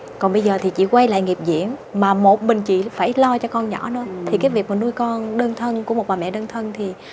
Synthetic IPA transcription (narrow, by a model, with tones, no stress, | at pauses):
kɔ˨˩nɓə˧jzəː˨˩t̪ʰi˨˩t͡ɕḭ˧˨kwa˧jla̰ː˧˨jŋi˨˩əp̚zḭ˧˨ənmaː˨˩mo˨˩t̚ɓï˨˩ŋ̟t͡ɕḭ˧˨faː˧˩jlɔ˧t͡ɕɔ˧kɔ˧nɲɔ̰˧˩˦nɨ̰˧˨˦ət̪ʰi˨˩kaː˨˦jvi˨˩ək̚maː˨˩nu˧jkɔ˧nɗəː˧nt̪ʰə˧nku˧˩əmo˨˩t̚ɓaː˨˩mɛ̰˧˨ɗəː˧nt̪ʰə˧nt̪ʰi˨˩